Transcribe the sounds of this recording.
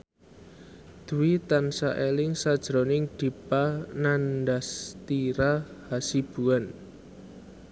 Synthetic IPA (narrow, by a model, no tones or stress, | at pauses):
d̪̥ṳwit̪ansaʔelɪŋsad̥ʒ̥ɾo̤nɪŋd̪̥i̤panandast̪iɾahasib̥ṳan